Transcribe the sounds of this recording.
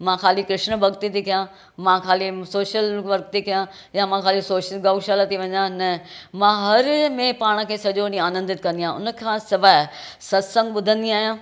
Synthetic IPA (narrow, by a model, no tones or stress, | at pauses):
mãkʰaːlikɾɪʃnbʱɐɡt̪it̪ikʰijã | mãkʰaːlisoːʃjəlʋɐɾk̚t̪ʰikʰijã | jamãkʰaːlisoːʃəlɡaːʃalat̪iʋɐ̃ɲãnɐmãɦɐɾmẽpaːɽ̃̆kʰeːsɐʄonĩaːnə̃nd̪ɪt̪̚kɐ̃nd̪ijaːɦʊnə̆kʰãsɪʋaːsɐsə̃ŋɡɓʊd̪ʱə̃nd̪iaːɦijãː